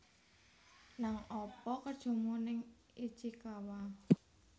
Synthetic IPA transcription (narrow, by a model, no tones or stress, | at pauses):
naŋɔpɔkəd̥ʒ̥o̤munɪŋ | id̥ʒ̥ikawa